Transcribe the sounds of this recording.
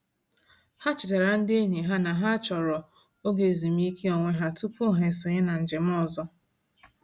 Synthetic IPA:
ha˦t͡ʃɪ˨ta˨ɾa˨n̩˦de˦ɲi˨ɦa˦na˨ɦa˦t͡ʃɔ˨ɾɔ˨ | o˦ɡe˨zi˨m̩˦i˦kʰe˦o˨ŋʷe˦ɦa˦tu˦po˦ɦe˨sʊ˨ɲɪ˦na˨n̩˨d͡ʒe˨m̩˦ɔ˦zɔ˦

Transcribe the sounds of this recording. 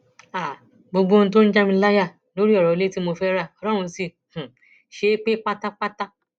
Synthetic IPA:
a˨ | bo˧ɡ͡bo˦ñ̩˦˧t̬o˦n̩˦d͡ʒa˦mĩ˧˦la˦ja˦˨no˨˦ɾi˦ɔ˦˨ɾɔ˨le˦ti˦mo˧fɛ˦ɾa˦˨ɔ˧˦ɾɔ̃˦ũ˧˦si˧˨ | h̩˨ | ʃe˨˦k͡pe˦k͡pa˦ta˦k͡pa˦ta˦

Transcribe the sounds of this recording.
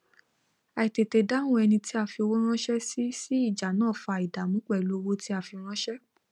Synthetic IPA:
a˨i˨te˨te˨˧dã˦ũ˦ɛ˧nĩ˧ti˦a˧˨fi˧o˧wo˦ɾ̃ã˦ʃɛ˦si˦si˦i˦˨d͡ʒa˨nãː˦˨fa˧˨i˨da˨mũ˨˦k͡pɛ˦˨lo˨˦˧wo˦ti˦a˧˨fi˧ɾ̃ã˦ʃɛ˦

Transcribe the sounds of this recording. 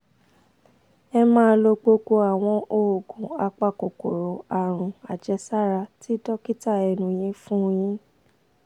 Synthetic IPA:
ɛ˧mãː˦˧˦lo˧ɡ͡bo˧ɡo˧a˨w̃ɔ̃˧ʔo˨ɡũ˨˦a˧k͡pa˧˨ko˨ko˨ɾo˨˦a˨ɾ̃ũ˨a˨d͡ʒɛ˧˦sa˦˨ɾa˧ti˦dɔ˦ki˦ta˦˨ɛ˧˨nũ˨j̃ĩ˧˦fũ˦˧j̃ĩ˧˦

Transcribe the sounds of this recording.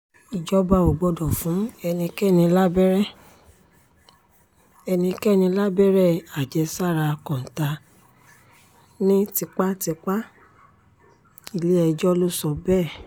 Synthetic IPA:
i˨d͡ʒɔ˦ba˦˧˨o˨ɡ͡bɔ˧dɔ˨fũ˨˦ɛ˧nĩ˧kɛ˦˨nĩ˧la˦bɛ˦ɾɛ˦˨ | ɛ˧nĩ˧kɛ˦˨nĩ˧la˦bɛ˦ɾɛ˦˨a˨d͡ʒɛ˨˧sa˦˨ɾa˧kɔ̃˨n̩˨ta˧ | nĩ˦ti˧k͡pa˦ti˧k͡pa˦ | i˦˨le˦ɛ˧d͡ʒɔ˦lo˦sɔ˧bɛː˦˨

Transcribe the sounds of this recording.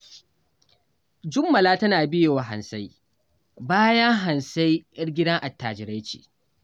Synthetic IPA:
d͡ʒʊ˦mːɐ˨laː˦tɐ˦naː˨bɪ˦je˨wa˨ɦa̰˨nsa˦j | baː˦jɐ˦ŋɦa˨nsa˦jʔɐ˦ɽɡʲɪ˦dɐ˦ŋʔa˨tːaː˨d͡ʒɪ˨ɾa˦jt͡ʃḭː˨

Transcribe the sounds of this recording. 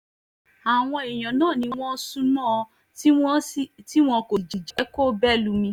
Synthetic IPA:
a˨w̃ɔ̃˧e˨j̃ɔ̃˨nãː˦˨nĩ˧w̃ɔ̃˦sũ˦nɔ̃˦˨ɔ˧˦ | w̃ɔ̃˦ti˦w̃ɔ̃˧ko˨d͡ʒi˨d͡ʒi˨˦ko˦bɛ˦lu˧mĩ˧

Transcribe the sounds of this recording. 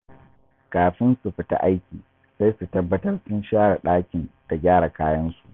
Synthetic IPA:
kaː˨ɸɪ˦nsu˨ɸɪ˨ta̰˦ʔa˦jkʲiː˨ | sa˦jsu˨tɐ˦bːɐ˦tɐ˦rsʊ˦nʃaː˦ɽa˨ɗaː˦kʲɪ˨nd̥a˨ɡʲaː˦ɽa˨kaː˦jɐ˦nsu˨ʔ

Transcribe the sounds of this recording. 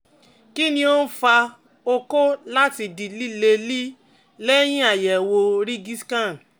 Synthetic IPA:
ki˦nĩ˧o˦n̩˦fa˧ | o˦˧ko˦la˦ti˧di˨li˦le˧li˦ | lɛ˦j̃ĩ˦a˦˨jɛ˨wo˧ɾi˦ɡi˦skã˦˨n

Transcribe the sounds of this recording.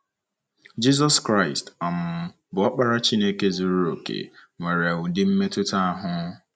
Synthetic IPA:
d͡ʒi˦z̬ɔ˦skɾa˦˨ɪ˨sta˨m̩˦ | bʊ˨˦ɔ˦k͡pa˦ɾa˦t͡ʃi˦ne˦ke˦zu˨ɾu˦ɾo˨kḛ˨ŋʷe˨ɾe˨a˨wu˨dɪ˦m̩˦me˦tʊ˦ta˦a˦ɦʊ˦

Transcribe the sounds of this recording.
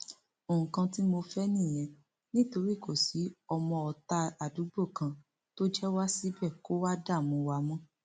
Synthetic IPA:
o˨ũ˨kã˧ti˦mo˧fɛ˦nĩ˦˨j̃ɛ̃˨ | nĩ˦to˧ɾi˦˨ko˦˨si˨˦ɔ˧mɔ̃˧ɔ˨ta˧a˨du˨˦ɡ͡bo˦˨kã˧ | to˦d͡ʒɛ˦wa˦si˦bɛ˦˨ko˦wa˦da˦˨mõ˨˦wa˧˦mɔ̃˦

